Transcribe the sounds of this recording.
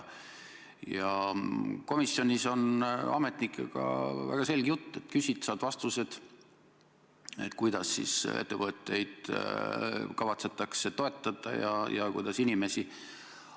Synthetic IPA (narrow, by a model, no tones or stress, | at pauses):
jɑ | ko̞misːjo̞nʲiso̞nɑ̰me̞t̪nikːˑḛɡ̥ɑ̰væ̰ɡ̥ɑse̞lʲɡ̥jut̪ˑːe̞t̪ːkysʲit̪sɑːd̪̥vɑst̪use̞d̪̥ | e̞̰t̪kujd̪̥ɑsːḭsḛt̪ːevɤt̪ːˑe̞jd̪̥ | kɑvɑt̪se̞t̪ːˑɑkse̞t̪o̞e̞t̪ˑːɑd̪̥ɑ̰jɑ̰jɑkṵjd̪ɑsinime̞si